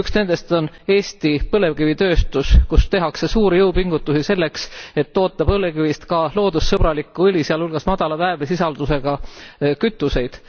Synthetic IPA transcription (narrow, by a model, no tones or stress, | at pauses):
yksne̞nd̪e̞st̪o̞ne̞ːst̪ipɤle̞vkivit̪ø̞ːst̪uskust̪e̞ɦɑkse̞suːɾijɤwpiŋɡ̥ut̪ːˑusise̞lːe̞kse̞t̪ːo̞ːt̪ːˑɑb̥ɤlekivist̪kɑlo̞ːd̪̥usːɤb̥ɾɑlikːˑuɤlʲisiɑlhulɡ̥ɑsmɑd̪̥ɑlɑvæeblesisɑld̪̥use̞ɡ̥ɑkyt̪ːˑuse̞jd̪̥